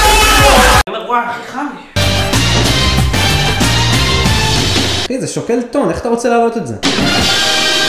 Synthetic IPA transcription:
meaχiχaj | χizeʃokelt̪oneχḁt̪aʁot͡selaːlo̞t̪etzḛ

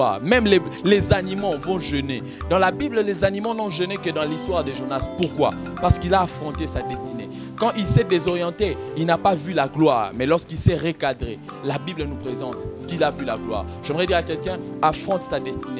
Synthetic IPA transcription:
aʁmɛmlelezanimɑ̃vɔ̃ʒəne | d̪ɑ̃labibllezanimɑ̃nɔ̃ʒənekəd̪ɑ̃list̪waʁd̪əʒyʁnaspuʁkwa̰ | paʁsə̥kilaːfχɔ̃t̪esad̪ɛst̪ine | kɑ̃ʔilsɛd̪ezɔʁjɑ̃t̪eilnapavylaɡlwaːʁmɛlɔʁskilsɛʁekad̪ʁe | labiblənupχezɑ̃t̪kilavyla̰ɡlwa̰ːʁʒ̥ɛmʁɛd̪iʁakɛlkɛ̃afɔ̃t̪sad̪ɛst̪ine

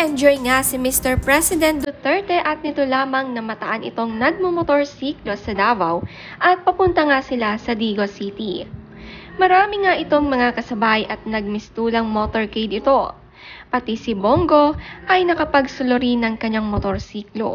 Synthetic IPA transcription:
ʔɛnd͡ʒojŋasɪmɪst̪ɛɹpɹɛsɪd̪ɛnt̪̚d̪ʊt̪ɛɹt̪ɛʔɐt̪̚nɪt̪o̞laːmɐŋnɐmɐt̪ɐʔanʔɪ̰t̪o̞ŋnɐɡ̚momot̪o̞ɹsiːklo̞sɐd̪aːbɐw | ʔɐt̪̚pɐpʊnt̪ɐŋasɪlasɐd̪iɡosit̪i | mɐɾaːmɪŋaʔɪt̪o̞ŋmɐŋakɐsɐbajʔɐt̪̚nɐɡ̚mɪst̪uːlɐŋmot̪o̞ɹkejd̪ɪt̪o̞ | pɐt̪isɪboŋɡo̞ʔɐjnɐkɐpɐɡsʊloɾinɐŋkɐɲaŋmot̪o̞ɾsiːklo̞̰

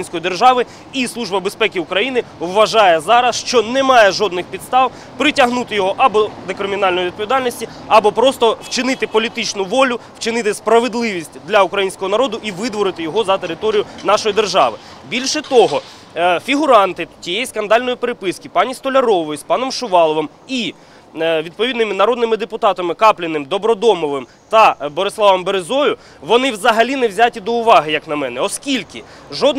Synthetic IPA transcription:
nʲsʲkɔjid̪erʒɑʋɪ | islˠuʒbɐbespɛkʲɪʊkɾɐjinɪʋːɐʒɑjɛzɑɾɐsʃt͡ʃɔnɛmɑjɛʒɔd̪nɪxpʲid̪st̪ɑw | pɾɪtʲɐɦnut̪ɪjɔɦɔʔɐbɔd̪ekɾɪmʲinɑlnɔjiʋʲid̪̚pɔʋʲid̪ɑlʲnɔsʲtʲi | ɐbɔpɾɔst̪ɔwt͡ʃɪnɪt̪ɪpɔlʲit̪ɪt͡ʃnʊʋɔlʲʊwt͡ʃɪnɪt̪ɪspɾɐʋed̪lˠɪʋʲisʲtʲd̪lʲɐʊkɾɐjinʲsʲkɔɦɔnɐɾɔd̪ʊʔiʋɪd̪ʋɔɾɪt̪ɪjɔɦɔzɐt̪eɾɪt̪ɔɾʲijʊnɑʃɔjid̪erʒɑ̰ʋɪ | bʲilʲʃɛt̪ɔɦɔ | fʲiɦʊɾɑnt̪ɪtʲijejiskɐnd̪ɑlʲnɔjipeɾɪpɪskʲɪpɑnʲist̪ɔlʲɐɾɔʋɔjʊspɑnɔmʃʊʋɑlˠɔʋɔm | i | ʋʲid̪̚pɔʋʲid̪nɪmɪnɐɾɔd̪nɪmɪd̪epʊt̪ɑt̪ɐmɪkɑplʲɪnɪmd̪ɔbɾɔd̪ɔmɔʋɪm | t̪ɐbɔɾɪslˠɑʋɐmbeɾɪzɔjʊ | ʋɔnɪʋzɐɦɐlʲinɛwzʲatʲid̪ɔʊʋɑɦɪjɐknɐmɛnɛɔskʲilʲkɪ | ʒɔd̪n

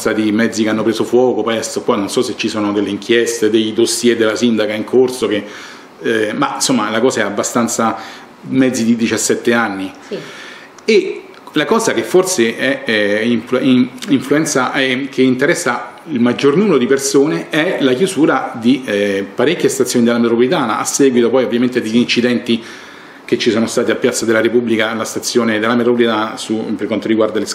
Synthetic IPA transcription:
sad̪imɛd̪zːikeanːopɾeːsofwɔːkopɛst̪okwanːonsɔsːet͡ʃːisoːnod̪elːeiŋkʰjɛst̪ed̪ejd̪osːjed̪elasind̪akaiŋkʰorsoke | mainsomːalakɔːzaɛabːast̪ant̪sa | mɛd̪zːid̪id̪it͡ʃasːɛt̪ːeanːi | e | lakɔːzak̟efːorseʔɛiɱfiɱfluɛnt̪saʔk̟eint̪eɾɛsːa | ilmad͡ʒːornumeɾod̪ipersoːneɛlakjuzuːɾad̪ipaɾekʲːjest̪at̪sːjoːnid̪elamet̪ɾopolit̪aːnaʔa̰sːɛːɡwit̪opɔjovːjament̪ed̪eʎːint͡ʃid̪ɛnt̪i | k̟et͡ʃːisoːnost̪aːt̪iapːjat̪sːad̪elːaɾepubːlikalast̪at̪sːjoːned̪elːamet̪ɾop̬olit̪anasuperkwant̪oɾiɡward̪ales

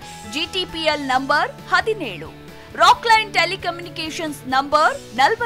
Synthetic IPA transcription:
d͡ʒiːʈiːpielnɐmbɐɾhɐd̪inḛːɭṵ | ɾaːklɐjnʈelikɐmjunikeːʃɐnsnɐmbɐɾnɐlʋɐ

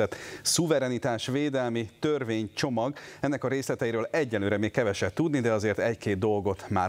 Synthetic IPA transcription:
ɛt̪suvɛɾɛnit̪aːʃveːd̪ɛlmit̪ørveːɲt͡ʃo̞mɒɡɛnːɛkɒɾeːslɛt̪ɛjiɾøːlɛɟːɛnlːøːɾɛmeːkkɛvɛʃɛt̪t̪ːud̪nid̪ɛɒzeːrt̪ɛckeːd̪̚d̪ːo̞lɡo̞t̪maː

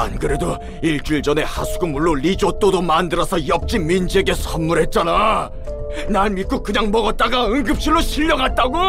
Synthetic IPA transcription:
a̰nkɯɾe̞do | iɭt͡ɕ͈uɭd͡ʑʌne̞hasʰuɡɯmuɭːolid͡ʑot͈odomandɯɾʌsʰʌjʌp̚t͡ɕ͈imind͡ʑeɡe̞sʰʌnmuɾɦe̞t̚t͡ɕ͈ana | naɭmik͈okɯɲaŋmʌɡʌt̚t͈aɡaɯŋɡɯp̚ɕ͈iɭːoɕʰiʎːʌɡat̚t͈aɡo

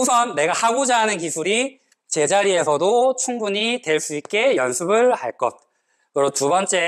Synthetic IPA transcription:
osʰʌnːe̞ɡahaɡod͡ʑaɦanɯnkisʰuɾi | t͡ɕe̞d͡ʑaɾie̞sʰʌdot͡ɕʰuŋbuɲitwe̞ɭs͈uit̚k͈e̞jʌnsʰɯbɯɭha̰ɭk͈ʌt̚ | kɯɾʌtubʌnt͡ɕ͈e̞

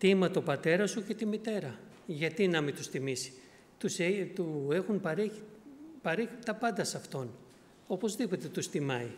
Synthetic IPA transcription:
t̪imɐt̪o̞pɐt̪e̞ɾɐsuce̞t̪imit̪e̞ɾɐ | ʝɐt̪inɐmit̪ust̪imisi̥ | t̪uset̪ue̞xunpɐɾeipɐɾeçit̪ɐpɐnd̪ɐsɐft̪o̞n | o̞po̞zðipo̞t̪e̞t̪ust̪imɐi

